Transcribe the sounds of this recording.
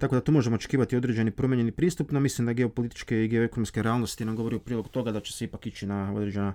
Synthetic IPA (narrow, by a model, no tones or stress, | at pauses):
t̪akod̪at̪uːmo̞ʒemoot͡ʃe̥kiːʋat̪io̞d̪ɾe̞d͡ʒe̞nipɾo̞mʲjeɲenipɾiːst̪upnamislimd̪aɡeo̞po̞lit̪i̥t͡ʃkeiɡe̞oekonomskeɾeaːlˠno̞st̪inamɡo̞ʋo̞ɾiupɾiːlo̞ɡut̪o̞ɡad̪at͡ʃe̞̥seipakit͡ʃinao̞d̪ɾed͡ʒe̞na